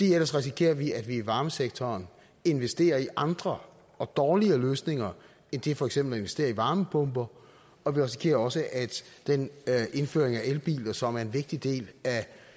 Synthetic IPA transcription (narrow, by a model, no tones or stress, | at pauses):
d̥ḭel̰ɐsʁɛs̬ikʰe̝̰ːɐʋiæd̥ʋiːʋɑ̈ːməseɡ̥̚t͡sʰɒːn | e̝nʋesd̥e̝̰ːɐiʔɑ̈nd̥ʁɐ | ɒ̽d̥ɒːliɐløːsne̝ŋɐ | end̥e̝fɒ̽eɡ̥semb̥lɒe̝nʋesd̥e̝̰ːɐiʋɑ̈ːməb̥ʰɔ̽mb̥ɐ | ɒ̽ʋiʁɛsi̥kʰe̝̰ːɐɒ̽səʔæd̥d̥enʔe̝nfø̰ːɐeŋæʔelb̥ḭːlɐsɒ̽mæɐe̝nʋe̝ɡ̥̚d̥id̥e̝̰ːlæ